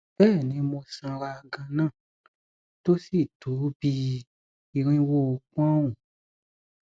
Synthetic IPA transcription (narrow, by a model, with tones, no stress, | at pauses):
b̥ɛː˦˨nĩ˨˦mo˧sã˧ɾa˧ɡã˧nã˦˨ | to˦si˦˨tu˨˦bi˦ | i˧ɾ̃ĩ˦wo˦˨o˧kũ˦a˦ũ˨